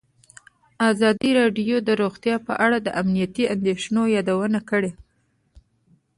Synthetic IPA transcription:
azɑd̪iɾɑɖjod̪əɾoɣt̪jɑpə̰ʔaɽad̪əʔamnijat̪iand̪eʃnojɑd̪awənakəɽe

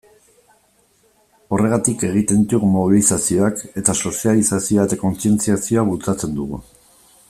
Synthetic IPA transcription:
o̞re̞ɣat̪ike̞ɣ̞it̪e̞nd̪it̪uɣumo̞β̞ilisasio̞ake̞t̪aso̞sijalisasioaet̪ako̞nsie̞nt͡siasio̞aβut͡sat͡se̞nd̪uɣ̞ṵ

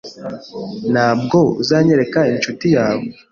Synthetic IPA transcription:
nhaːb̚ɡo̞ṵzaːɲe̞ɾe̞kaint͡ʃutijaːwe

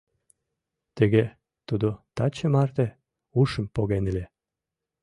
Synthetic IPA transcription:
t̪ə̆ɣe | t̪ud̪ot̪ɑt͡ɕəmɑrt̪ĕ | uʃə̆mpoɣenəlʲe

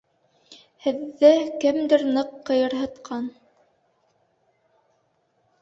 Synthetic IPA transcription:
hɘ̆ðːɘkɘmd̪ɘɾnɤqːɤ̆jɤ̆ɾɦɤ̆t̪qʰɑn

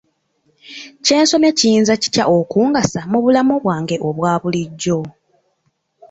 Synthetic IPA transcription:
ce̞ːnso̞me̞ciiːnzaci̥caʔo̞kuːŋɡasamuβulamoβwaːŋɡe̞ʔo̞βwaːβuliɟːo̞

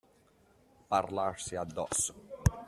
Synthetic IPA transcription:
parlaɾsiad̪ːɔso̥

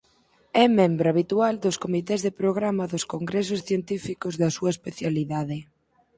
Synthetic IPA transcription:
ɛmẽmbɾoaβit̪uald̪ʊskomit̪ɛzðepɾoɣɾamɐðoskoŋɡɾɛs̬ʊsθjent̪ifikozðɐsuɐespeθjaliðaðɪ

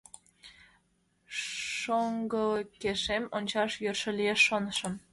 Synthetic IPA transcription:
ʃoŋɡəlkːeʃemonʲt͡ɕɑʃjørʃə̆lʲieʃːonʃə̆m

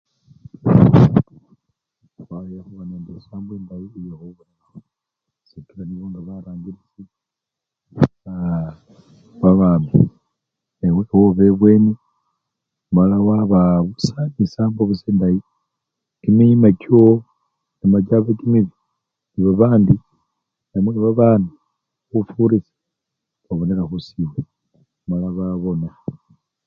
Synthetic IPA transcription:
waujaxuβanendesaːmbeːndajiːjohoβunanao | sikilaniβoŋɡaβaɾaːŋɡiɾit͡si | βa | βaβaːmi | newewoβeβwe̞ːne | malawaβaβusanisaːmboβuseːndaji | kimimako | nimad͡ʒaβekimiβi | niβaβaːndi | namweβaβaːndi | βufuɾise̥ | βaβoneɾaxusiwe | malaβaβo̞na

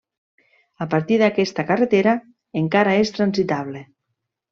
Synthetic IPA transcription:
apaɾt̪iðakɛst̪akaret̪eɾa | eŋkaɾaest̪ɾanzit̪aβ̞le

